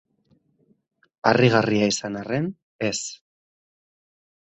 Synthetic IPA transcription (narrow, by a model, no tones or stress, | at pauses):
ariɣ̞ariaisanare̞n | e̞s